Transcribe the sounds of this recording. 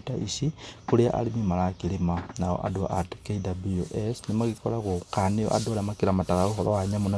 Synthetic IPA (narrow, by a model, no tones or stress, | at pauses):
taʔisikuliaʔa̰limimalaakilimanao̰ʔa̰dua̰ʔadkeidabuoʔesnimaɣikolakukanijo̰ʔa̰dualamakiɾamatakauɦolowaɲamuna